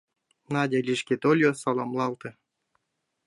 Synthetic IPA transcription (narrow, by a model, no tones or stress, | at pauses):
nɑdʲelʲiʃkʲet̪olʲjosɑlˠomlˠɑlˠt̪ɤ̆